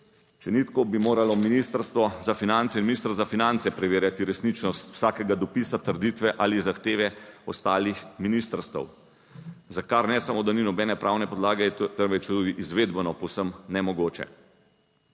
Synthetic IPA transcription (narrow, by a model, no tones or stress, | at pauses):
sɛnit̪kɔbimoːɾalɔminiːst̪əɾst̪ʋɔzafinant̪sɛinminist̪ɾzafinant̪sɛpɾɛʋeːɾjat̪iɾɛsnit͡ʃnɔst̪w̥saːkɛɡad̪ɔpiːsat̪əɾd̪it̪ʋɛʔalizaxt̪eːʋɛɔst̪aːlixminist̪əɾst̪ɛ̰w | zakaɾnɛsamod̪aninɔbɛːnɛpɾʔaːwnɛpɔd̪laːɡɛjɛt̪ənʋɛt͡ʃt̪uːd̪iʔizʋeːd̪bənɔpɔwsəmnɛmɔɡoːt͡ʃɛ̰